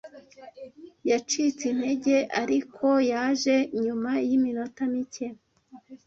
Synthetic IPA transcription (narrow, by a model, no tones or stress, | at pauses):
jat͡ʃit͡sinhe̞ɟe̞ʔaɾikʰo̞jaːʒe̞ɲumajimino̞tamice